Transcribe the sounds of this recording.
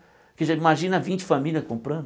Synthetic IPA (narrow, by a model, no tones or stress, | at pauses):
kɪʒaimaʒĩnɐvĩt͡ʃɪ̥familʲɐskõmpɾɐ̃nd̪